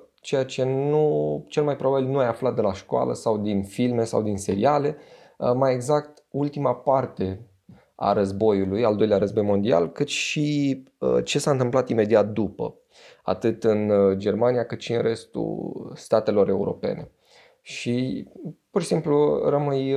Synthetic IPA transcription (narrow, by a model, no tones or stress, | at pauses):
t͡ʃe̞jat͡ʃe̞nut͡ʃe̞lmajpɾo̞babilnuajaflat̪̚d̪e̞laʃkoa̰lə̰sawd̪infilme̞sa̰wd̪inse̞ɾiale̞ | maje̞ɡzakt̪ | ult̪imapart̪e̞ | a̰ɾəzbo̞julujald̪o̞jleaɾəzbo̞jmo̞nd̪ia̰lkɨt̪ʃi | ət͡ʃe̞saɨnt̪ɨmplat̪ime̞d̪iat̪̚d̪upə̰ | a̰t̪ɨt̪ɨnd͡ʒe̞rmanijakɨt̪ʃiɨnrʔe̞st̪ṵst̪at̪e̞lo̞ɾe̞uɾo̞̰pe̞̰ne̞̰ | ʃi | purʃisimplurəmɨj